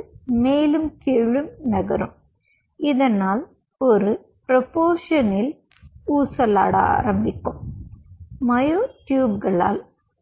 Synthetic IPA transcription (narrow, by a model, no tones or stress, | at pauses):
meːlumkeɻumnɐɣɐrum | iðenːaːl | oɾu | propoːʂɐnil | uːsɐla̰ːɽa̰ːrɐmbʱikʲːumː | ɐjoʈjuːbɣɐɭa̰ːl